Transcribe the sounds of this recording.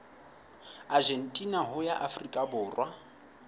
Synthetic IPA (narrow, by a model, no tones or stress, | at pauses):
ad͡ʒen̩tʼinaɦʊjaʔafrikʼabʊːrwʔa